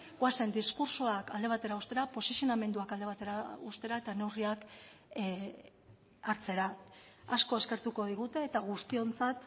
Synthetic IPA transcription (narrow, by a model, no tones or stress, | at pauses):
ɣase̞nd̪iskuɾsuakald̪e̞β̞at̪e̞ɾaust̪e̞ɾapo̞sisijo̞name̞nd̪uakald̪e̞βat̪e̞ɾaust̪e̞ɾae̞t̪ane̞wriak | aɾt͡se̞ɾaasko̞e̞ske̞ɾt̪uko̞ð̞iɣ̞ut̪e̞ːt̪aɣ̞ust̪io̞nt͡sat̪